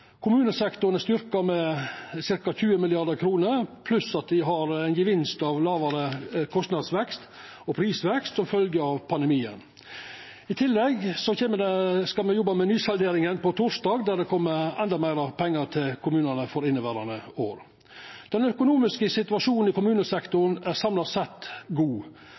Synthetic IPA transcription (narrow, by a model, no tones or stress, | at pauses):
kʰʊmʉːnəsɛkt̪ʊɾənəst̪ʏɾkɑɾmɛsɪɾkɑçʉːəmɪlɪɑd̪əɾkʰɾuːnəɾpʰlʉsɑt̪̚d̪ɪɦɑɾæɪnɡəʋɪnst̪ɑʋlɑːʋɑɾəkʰɔst̪nɑd̪sʋɛkst̪ | ɔpʰɾiːsʋɛkst̪sɔmfœlɡəɑʋpʰɑnd̪ɛmiːə̰n | ɪt̪ʰɪlːɛɡsɔçeːməd̪ɛskɑlmɛjɔbɑmɛnyːsɑld̪eːɾɪŋənpɔt̪ʰʊʂd̪ɑːɡd̪æɖɛkʰɔmːəɾɛnd̪ɑmæɪɾɑpʰɛŋːəɾt̪ʰɪlkʰʊmʉːnənəfɔɾɪnːəʋæːɾɑnəoːɾ | d̪̥ɛnœkʊnuːmɪskəsɪt̪ʉɑʂuːnn̩ɪkʊmʉːnəsɛkt̪ʊɳ̩æɾsɑmlɑsɛt̪ːɡuː